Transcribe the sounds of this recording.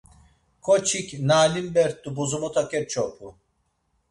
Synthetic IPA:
kʰɔt͡ʃʰikʲnaːlimbɛɾt̪̚dubuzumut̪ʰakʰɛɾt͡ʃʰɔpʰu

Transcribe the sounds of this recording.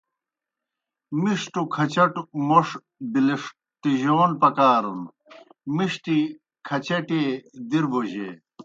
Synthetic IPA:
miʂʈukʰɐt͡ɕɐʈumoʂ | b̪iliʂ | ʈiʑoːnpɐkaːɾun | miʂʈi | kʰɐt͡ɕɐʈeːd̪iɾboʑḛː

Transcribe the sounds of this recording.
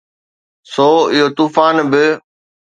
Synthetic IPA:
soːɪɦot̪uːfaːnbɪ

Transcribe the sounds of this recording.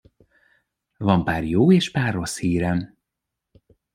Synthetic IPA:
vɒmpaːrjoːeːʃpaːrːo̞shiːɾɛm

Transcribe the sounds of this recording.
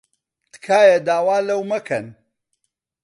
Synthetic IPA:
t̪kʰaːjɐd̪aːwaːlɐwmɐkʰɐn

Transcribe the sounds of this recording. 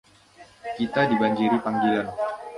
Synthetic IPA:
kit̪adibaɲd͡ʒiɾipaŋɡilan

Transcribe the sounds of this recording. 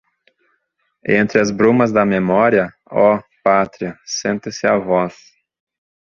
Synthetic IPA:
ḛ̃nt̪ɾɪɐzbɾũmɐzd̪ɐmemɔɾiɐ | ɔpat̪ɾiɐsẽnt̪ɪsɪɐvɔs

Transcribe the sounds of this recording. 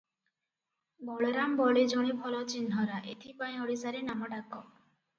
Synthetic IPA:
bɔɭeɾambɔɭed͡ʒɔɽ̃ebʱɔlɔt͡ʃinɦɔɾaʔḛt̪ʰipaĩɔɽisaɾenamɔɖakɔ

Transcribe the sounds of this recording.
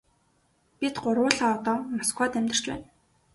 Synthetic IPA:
pʲit̪ɢʊrwʊːɮaːɔt̪ɔːmaskwaːt̪æmʲt̪ɪ̆r̥t͡ɕpæ̰ːn

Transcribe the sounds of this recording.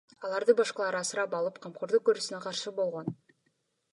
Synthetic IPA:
ɑlˠɑɾd̪ɯbɑʃqɑlˠɑɾɑsɨɾɑpɑlˠɯpqʰɑmqʰoɾd̪uk̚køɾysynæqɑɾʃɯbo̞lˠʁo̞n

